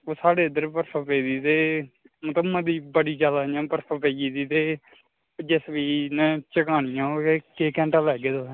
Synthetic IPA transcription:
oːsaːɽeːəd̪əɾpəɾpʰaːpeːd̪iːt̪eː | mət̪əmãd̪iːbəɽiːt͡ʃaːlaːãːpəɾpʰaːpeːd͡ʒiːd̪iːt̪eː | d͡ʒesbiːnɛ̃t͡ʃəkaːnɪjãːoeːkeːkɛ̃ːɳʈaːlɛːɡeːd̪oː

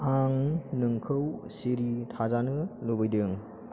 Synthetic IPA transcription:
aŋnɯŋkʰɯwsiɾitʰazanɯlubɯjdɯŋ

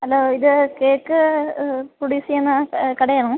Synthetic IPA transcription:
ɐlːoːiðɨkeːkːɨ | puɽisijenːɨkɐɽɐjaːɳu

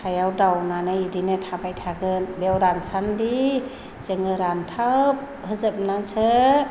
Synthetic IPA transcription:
ajawdawnanɯidinɯtʰabajtʰaɡɯnbewɾansʰandi | z̥ɯŋɯɾantʰap̚ | hɯzɯp̚nasʰɯ

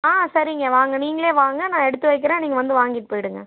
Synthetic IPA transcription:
aːsɐɾɪŋɡɐʋaːŋɡɐniːŋɡɐɭeːʋaːŋɡɐnãːɛɽɯt̪ːɯʋɐɪk̬ːɪɾẽːniːŋɡɐʋɐnd̪ɯʋaːŋɡɪʈːɯpoːjɪɽɯŋɡɐ̰

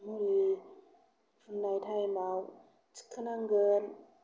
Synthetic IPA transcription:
muɾi | funːajtʰajmaw | t͡si̥kʰːɯnaŋɡən

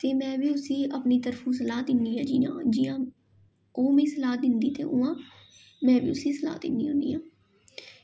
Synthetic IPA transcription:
t̪eːmɛ̃ːbiːʊsĩːʔəpniːt̪əɾfʰũːsəlaːt̪ɪnd̪iːãːd͡ʒiːã̰ːd͡ʒijãː | oːmẽːsəlaːt̪̚d̪ɪnd̪iːt̪ḛːʔʊːãː | mɛ̃ːʋḭːʊsĩːsəla̰ːt̪ɪ̰nd̪ḭːoːnd̪ḭːãː

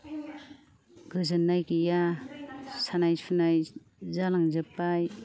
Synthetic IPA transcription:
ɡɯzɯnːajkija | sanajsʰunaj | zalaŋzɯpːaj

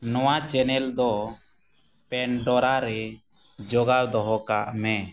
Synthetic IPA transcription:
nɔwat͡ʃɛnɛld̪ɔ | pɛnɖɔɾaɾɛ | d͡ʒɔɡaɾd̪ɔɦɔkaʔmɛ

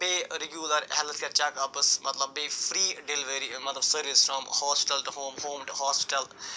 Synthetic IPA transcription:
peːɾɛɡjuːləɾhɛlt̪ʰkɛɾt͡ʃɛkɐpəsmɐt̪lɐbːeːfɾiːɖɪlɪʋəɾimɐt̪lɐbsəɾʋizfɾɔ̃mhɔːspɪ̥ʈəlʈuhõːmhõːmʈuhɔːspɪ̥ʈəl

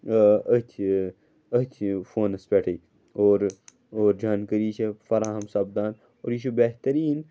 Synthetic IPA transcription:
ɐt̪ʰ | ət̪ʰfoːnɐspʲeʈʰɐi | oːɾ | oːɾd͡ʒaːnkəɾiːt͡ʃʰefɐɾaːɦɐmsɐbd̪aːn | o̰ːɾjiʃubeɦt̪ɐɾiːn

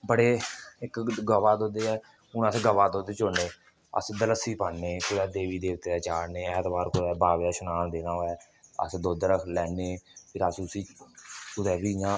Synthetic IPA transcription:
bəɽeːɪkɡəʋaːd̪oːd̪eːɛː | ʊnəsɡəʋaːd̪oːd̪eːt͡ʃoneː | ə̰sd̪ələsiːpəːneːkʊd̪ɛːd̪eːʋiːd̪eːt̪ːeːd̪ɛːt͡ʃaːɽneːɛɦət̪baːɾkʊd̪ɛːbaːʋaːʃʊnaːnd̪eːnaːɦoːɛː | ə̰sd̪oːd̪ɾəkʰlɛːneːpʰɪɾəsʊsiːkʊd̪ɛːbiːjãː

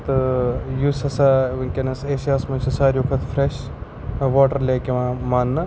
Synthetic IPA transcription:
t̪ɨjusɐsaːʋɐnʲkʲenɐseːsjaːsmɐnʲt͡ʃʰɐsaːɾʲjukʰɐt̪ʰfɾeʃ | ʋaːʈɐɾlʲeːkʲeʋãːmaːnːɐ

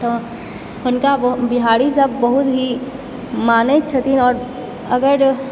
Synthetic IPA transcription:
ʊnkabɪɦaːɽisɐbːɐɦʊt̪ɦi | maːnet͡ʃʰət̪inɔːɾ | ɐɡəɾ

